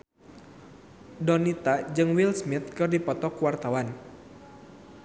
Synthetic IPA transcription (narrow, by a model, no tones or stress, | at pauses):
dɔnit̪ad͡ʒɨŋwilsmit̪̚kɨrdipɔt̪ɔkuwart̪awan